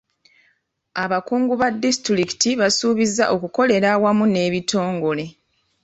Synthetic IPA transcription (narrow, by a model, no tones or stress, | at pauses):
aβakuːŋɡuβadːistɾiki̥tiβasuːβizaʔo̞kuko̞le̞ɾawamune̞ːβitʰo̞ːŋɡo̞le̞